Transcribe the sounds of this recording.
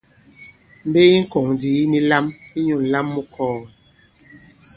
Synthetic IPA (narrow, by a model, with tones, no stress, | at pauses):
m̩˨˦be˦i˦ŋ̩˦kɔ˨ŋdi˨˦ni˦la˦mi˦ɲu˨n̩˨la˦mːu˦kʰɔː˦˨